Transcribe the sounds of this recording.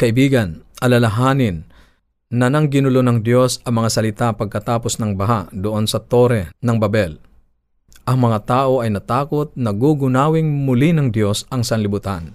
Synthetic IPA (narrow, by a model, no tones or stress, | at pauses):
kɐʔɪbiːɡɐnʔɐlɐlɐɦaːnɪnː | ɐnɐŋɡɪnʊlonɐŋd̪jo̞sɐmɐŋasɐlɪt̪apɐɡ̚kɐt̪aːposnɐŋbɐɦaʔd̪oʔo̞nsɐt̪o̞ːɾɛnɐŋbɐbɛl | ʔɐŋmɐŋat̪aːʔo̞ʔɐjnɐt̪aːkot̪̚nɐɡuɡʊnaːwɪŋmʊlinɐŋd̪jo̞sɐŋsɐnlɪbʊt̪an